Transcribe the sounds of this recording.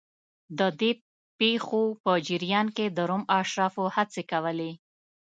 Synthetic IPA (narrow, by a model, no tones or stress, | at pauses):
d̪əd̪e | pexopəd͡ʒiɾijɑnked̪əɾomaʃɾɑfohat͡sekawəle